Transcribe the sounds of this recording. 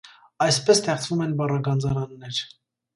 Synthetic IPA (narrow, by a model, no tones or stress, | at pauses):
ɑjspɛst̪ʰɛχt͡sʰvumɛnbɑrɑɡɑnd͡zɑɾɑnːɛɾ